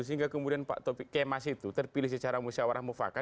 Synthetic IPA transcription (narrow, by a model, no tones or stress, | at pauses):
us̬iŋɡaʔkəmudianpa̰ʔt̪ɔpikemasit̪ut̪ərpilɪhsət͡ʃaɾamusawaɾahmofa̰ka